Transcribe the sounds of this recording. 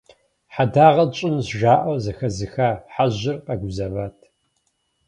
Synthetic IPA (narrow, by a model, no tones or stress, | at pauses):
ħadaːʁɐt͡ʃʼɪmzʒaːʔɐwzɐxɐzɨxaːħaʑɪrqʼaɡʷʊzɐvaːtʰ